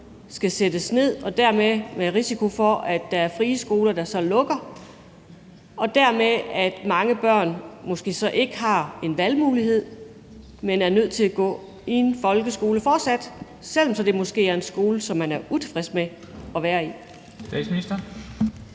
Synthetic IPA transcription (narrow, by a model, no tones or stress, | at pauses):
sɡ̥æsed̥əsne̝ð̞̰ˠɒ̽d̥æɐ̰memeʁisikʰo̝fɒ̽ʔæd̥ːɑ̈æɐfʁiːəsɡ̥o̝ːlɐd̥ɑ̈sɒ̽lɔ̽ɡ̥ɐ | ɒ̽d̥æɐmeæd̥mɑ̈ŋəb̥ɶɐ̰nmɒ̽sɡ̥e̝̰ːsɒ̽ʔe̝ɡ̥əɦɑ̈e̝nʋælmuːlihe̝ð̰ˠ | menæɐnøð̞̰ˠt͡sʰe̝læɡ̥ɔ̰ː | ienfɒ̽lɡ̥əsɡ̥o̝ːləfɒːd̥sæd̥ | sel̰ɒ̽msɒ̽d̥e̝mɒ̽sɡ̥e̝̰ːæɐe̝nsɡ̥o̝ːləsɒ̽mhænæɐut͡sʰe̝̥fʁɛsme | ɒ̽ʋæːɐi | sd̥ɛ̰̥sminisd̥ɐ